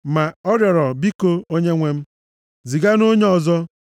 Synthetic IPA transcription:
ma˨ɔ˦ɾjɔ˨ɾɔ˨bi˦ko˦o˦ɲe˦ŋʷe˦m̩˦ | zi˨ɡa˦no˦ɲe˦ɔ˨zɔ˦

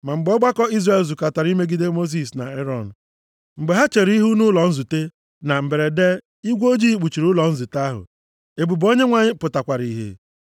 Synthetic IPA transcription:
ma˨ŋ͡m̩˨ɡ͡bɔ˦ɡ͡ba˦kɔ˦i˦zre˦˨lzu˨ka˨ta˨ɾi˦me˦ɡi˦de˦mo˦s̬i˨s̬na̰˨e˦ɾɔ˨n̩˨ | m̩˨ɡ͡be˨ɦa˦t͡ʃe˨ɾi˦ɦu˦nu˦lɔ˨n̩˦zu˨te˦ | na˨m̩˨be˨ɾe˨de˦ | i˦ɡʷo˦d͡ʒi˦k͡pu˨t͡ʃi˨ɾʊ˦lɔ˨n̩˦zʊ˨ta˦ɦʊ̰˨ | e˨bu˨bo˦ɲe˦ŋʷa˦˨ɲɪ˦pʊ˨ta˨kʷa˨ɾi˨ɦḛ˨˦

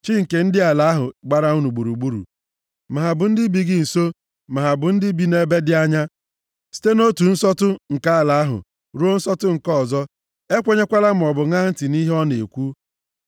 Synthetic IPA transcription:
t͡ʃi˦ŋ̩˨ke˨n̩˦dɪ˦a˨la˦ɦʊ˨ɡ͡ba˦ɾa˦u˦nu˨ɡ͡bu˨ɾu˨ɡ͡bu˦ɾṵ˨ | ma˨ɦa˨bʊ˨n̩˦dɪ˦bi˨ɡɪ˦n̩˨so˦ | ma˨ɦa˨bʊ˨n̩˦dɪ˦bi˨ne˦be˦dɪ˦a˦ɲa˦ | si̥˦te˦no˦tu˨n̩˦sɔ˦tʊ˦ŋ̩˨ka˦a˨la˨a˦ɦʊ̰˨ | ɾu˦o˦n̩˦sɔ˦tʊ˦ŋ̩˨kɔ˦˨zɔ˦ | e˦kʷe˦ɲe˦kʷa˦la˦m̩˨ɔ˨bʊ˨ŋa˦n̩˦ti˨ni˦ɦe˦ɔ˦ne˨kʷu˦

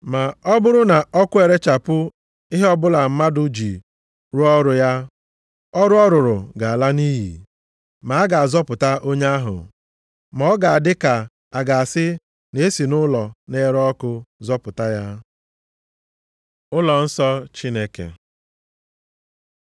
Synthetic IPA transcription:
ma˨ɔ˦bʊ˦ɾʊ˦na˨ɔ˦kʷʊ˦e˨ɾe˦t͡ʃa˨pʊ˦ | ɪ˦ɦe˦ɔ˦bʊ˦la˨m̩˦ma˦dʊ˦d͡ʒi˨ | ɾu˦ɔ˦ɾʊ˨ja˦ | ɔ˦ɾʊ˦ɔ˦ɾʊ˨ɾʊ˨ɡa˨a˨la˦ni˦ɦḭ˨ | ma˨a˦ɡa˨a˨zɔ˦pʊ˨ta˦ʔo˦ɲe˦a˦ɦʊ̰˨ | mɔ˨˦ɡa˨a˨dɪ˦ka˨ | a˨ɡa˨a˨sɪ˦ | ne˨˦e˦si˨nʊ˦lɔ˨ne˦ɾɔ˦kʊ˦zɔ˦pʊ˨ta˦ja˦ | ʊ˦lɔ˨n̩˦sɔ˦t͡ʃi˦ne˦kḛ˨

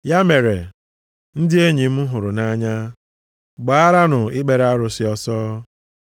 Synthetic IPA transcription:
ja˦me˨ɾe˨ | n̩˦dɪ˦e˦ɲi˨m̩˦ɦʊ˨ɾʊ˨na˦ɲa˦ | ɡ͡ba˨a˦ɾa˦nʊ˨ɪ˦k͡pe˨ɾa˦ɾʊ˨sɪ˦ɔ˦sɔː˦

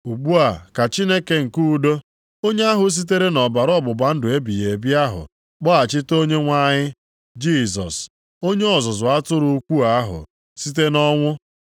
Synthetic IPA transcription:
u˨ɡ͡bu˦a˨ka˨t͡ʃi˦ne˦ke˨ŋ̩˨ku˦˨do˦ | o˦ɲe˦a˦ɦʊ˨s̬i˦t̬e˦ɾe˦nɔ˨ba˨ɾɔ˦bʊ˨ba˨n̩˦dʊ˨e˦bi˨je˨bi˦a˦ɦʊ̰˨ | k͡pɔ˦a˨t͡ʃɪ˦to˦ɲe˦ŋʷa˦ɲɪ˦ | d͡ʒi˦˨zɔ̰˨s | o˦ɲe˦ɔ˨zʊ˨zʊ˨a˦tʊ˦ɾʊ˦kʷu˦a˦ɦʊ̰˨ | si˦t̬e˦nɔ˦ŋʷʊ˦

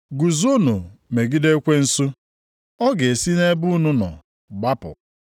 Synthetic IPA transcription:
ɡu˨zo˦nu˨me˨ɡi˦de˦kʷe˦n̩˦sʊ˦ | ɔ˦ɡe˨e˨si˦ne˦bʊ˦nʊ˦nɔ̰˨ | ɡ͡ba˦pʊ̰˨

